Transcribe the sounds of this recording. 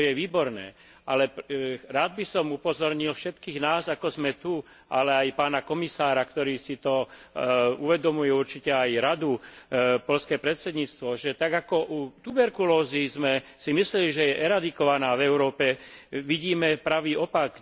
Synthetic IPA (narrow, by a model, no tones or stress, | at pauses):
jɛʋiːbɔɾnɛ̰ː | ʔalɛɾaːd̪̚bisɔmupɔzɔɾɲilfʃɛt̪kiːɣnaːzakɔzmɛt̪u | ʔalɛajpaːnakɔmisaːɾakt̪ɔɾiːsit̪ɔ | uʋɛd̪ɔmujɛuɾt͡ʃicɛajɾad̪upɔʎskɛːpɾɛt̪sɛd̪ɲiːt͡st̪ʋɔʒɛt̪aɡakɔʔut̪ubɛɾkulɔːzizmɛsimislɛliʒɛjɛʔɛɾad̪ikɔʋanaːvɛʊɾɔːpɛʋiɟiːmɛpɾaʋiːɔpaɡ